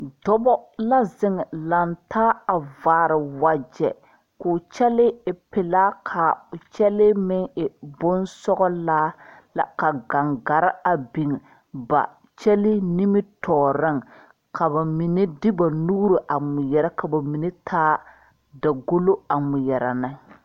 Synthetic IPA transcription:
dɔ˦bɔ˦la˦zɪ˦ŋɛ˨la˨ntʰaː˦a˨vaː˨ɾɪ˨wa˨d͡ʒɛ̰˨ | kʊː˨t͡ʃɛ˦lɪ˦ɪ˨pɪ˨laː˦kʰa˨ʊ˨t͡ʃɛ˦lɪ˦mɪ˦ŋɪ˨bʊ˦nsɔ˦ɣɔ˦laː˦la̰˨ka˨ɡa˨ŋɡa˨ɾɪ˦a˨bi˨ŋ˨ | ba̰˨ | t͡ʃɛ˦lɪ˦ni˦mɪ˦tʰɔː˨ɾɪ˦ŋ | kʰa˨ba˨mi˨ne˦dɪ˦ba˨nuː˦ɾo˨ʔa˨mʊ˨jɛ˨ɾa˦ka˨ba˨mi˨ne˦tʰaː˦ | da˨ɡo˦lo˦a˨mʊ˨jɛ˨ɾa̰˨nɪ˦

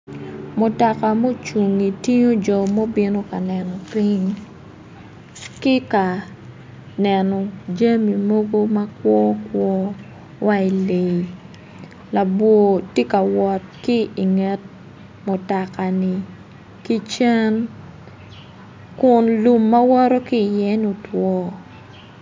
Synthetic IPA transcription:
mʊ˨tɔ˨ka˨mo˦t͡ʃu˨ŋi˨ti˦ɲo˦d͡ʒɔ˨mo˦bi˦no˦ka˨nɛ˨nɔ˨pi˦ɲ | kɪ˦ka˨ | nɛ˨nɔ˨d͡ʒa˦mi˨mo˦ɡo˦ma˦kwɔ˦kwɔ˦ | wʔa˦i˨le˨i˨ | la˨bwo˨te˦ka˨wɔ˨tkɪ˦i˨ŋɛ˦t̚ | mo˨ta˨ka˨nɪ˨ | ki˦t͡ʃɛ˦n | kʊ˨nlu˨mːa˦wɔ˦ɾo˦ki˦˨jɛ˦ɲo˨twɔ˦

